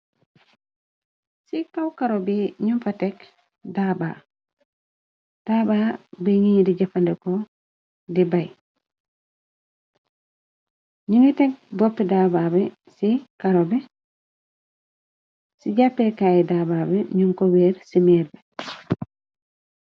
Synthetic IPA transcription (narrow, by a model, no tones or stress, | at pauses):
sikawkaɾobiɲunfatek | dabaː | d̥abaːbiŋiɲdiɟafandɛko | dibaj | ɲuŋitek̚bopːedaːbabe | sikaɾobe | siɟapːekaːjɛdaːbabeɲuŋkoweːɾsimeːɾbe